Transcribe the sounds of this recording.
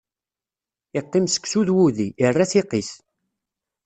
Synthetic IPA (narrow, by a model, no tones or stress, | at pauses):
ɪqːimsə̥kːsuðwuðiʔirːaθiqis